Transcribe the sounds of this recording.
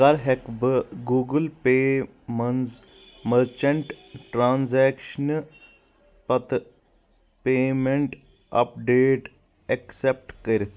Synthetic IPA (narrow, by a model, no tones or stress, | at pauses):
kaɾɦekbəɡuːɡəlpe | mɐnz | məɾt͡ʃɐɳʈʈɾaːnzɛkʃn | pɐt̪ | pemeɳʈ | ɐ̰pɖeːʈ | eksep̚ʈkəɾʲit̪